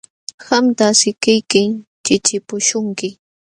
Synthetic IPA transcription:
xamt̪asɪkɪjkɪŋt͡ʃɪt͡ʃɪpʊʃʊŋkɪ

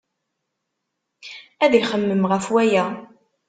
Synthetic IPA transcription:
æðəjχəmːəmʁəfwæjæ

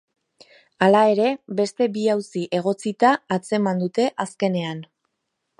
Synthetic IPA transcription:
alae̞ɾe̞be̞st̪e̞biawsiʔe̞ɣ̞o̞t͡sit̪aːt͡se̞mand̪ut̪e̞ʔaske̞ne̞an

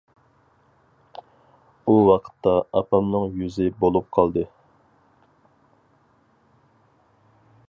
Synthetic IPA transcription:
uwɑqʰə̥t̪ʰːɑɑpɑmnɨŋjyzɪbolˠup̚qʰɑlˠd̪ɨ

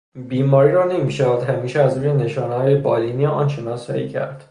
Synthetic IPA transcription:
biːmɒːɾiːɾɒːnemiːʃææd̪hæmiːʃeæzɾuːjene̞ʃɒːnehɒːjebɒːliniʔɒːnt͡ʃʰenɒːsæ̰icʰæ̰ɾd̪̥

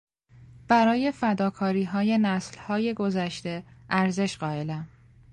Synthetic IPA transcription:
b̥æɾɒːje̞fæd̪ɒːkʰɒːɾiːɦɒːje̞næslhɒːje̞ɡozæʃt̪e̞ʔæɾze̞ʃɢ̥ɒːe̞læm

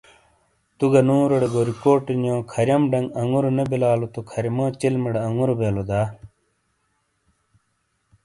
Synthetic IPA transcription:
t̪uɡɐnũːɾɐɽeɡoːɾikoːʈinjõːkʰɐɾjɐmɖɐŋɡɐŋɡuɾonebilaːlot̪okʰɐɾimoːt͡ɕilmiɽeɐŋɡuɾobeːlod̪aː

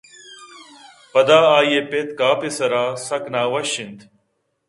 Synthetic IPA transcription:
pɐd̪aːaːjeːpeːt̪kaːpɪsɐɾaːsɐknaːʋɐʃɪnd̪

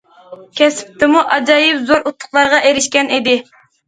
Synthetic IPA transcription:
kʲɛsɪ̥p̚t̪ʰɪmuʔɑd͡ʒɑjɪpzoɾʔut̪ʰːʊ̥χlˠɑɾʁɑʔeɾɪʃkʲɛnid̪ɪ

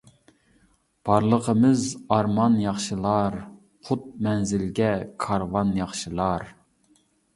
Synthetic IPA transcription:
b̥ɑɾlˠəqəmɨzɑɾmɑnjɑχʃɨlˠɑɾ | qʰʊt̪̚mɛnzɪlɡʲɛkʰɑɾvɑnjɑχʃɨlˠɑɾ

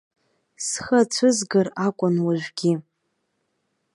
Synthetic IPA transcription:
sχat͡ɕʷʰʊzɡarakʷʼʊnwaʒᶣʷɡʲi

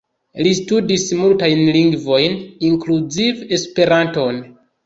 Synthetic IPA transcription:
listudismultajnliŋɡvo̞jniŋkluzive̞spe̞ɾanto̞n

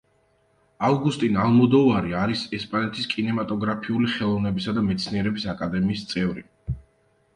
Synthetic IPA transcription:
avɡust̪ʼinalˠmɔd̪ɔvaɾiaɾisɛspʼanɛt̪ʰiskʼinɛmat̪ʼɔɡɾapʰiuliχɛlˠɔvnɛbisad̪amɛt̪sʰniɛɾɛbisakʼad̪ɛmiːst̪sʼɛvɾḭ

